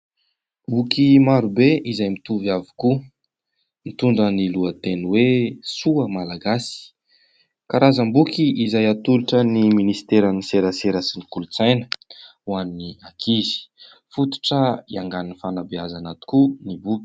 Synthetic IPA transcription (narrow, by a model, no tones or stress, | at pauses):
mbukimaɾubeʔizajmit̪uvjavi̥ku | mit̪uɳɖ͡ʐəniluət̪enwesuəmalaɡasi̥ | kaɾazəmbukiʔizajat̪uliʈ͡ʂəniminisi̥t̪eɾaniseɾəseɾasinikulut͡sajnə̥wanniakʰizi̥ | fut̪u̥ʈ͡ʂəiaŋɡaninifanabeazanat̪u̥kunibubi̥